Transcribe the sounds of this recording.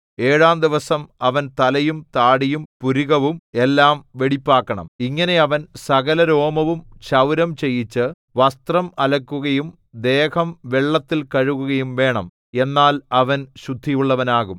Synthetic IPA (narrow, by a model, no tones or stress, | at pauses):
eːɻaːmd̪iʋɐsɐmɐʋɐnt̪ɐlɐjumt̪aːɽijumpuɾiɣɐʋume̞lːaːmʋe̞ɽipːaːkːɐɳɐ̰miŋːɐne̞ɐʋɐnsɐɣɐlɐɾo̞ːmɐʋumɕɐwɾɐmt͡ɕejːit͡ɕːɨ | ʋɐst̪rɐmɐlɐkːuɣɐjum | d̪e̞ːkɐmʋe̞ɭːɐt̪ːilkɐɻuɣuɣɐjumʋe̞ːɳɐm | e̞nːaːlɐʋɐnɕud̪ʱːijuɭːɐʋɐnaːɣum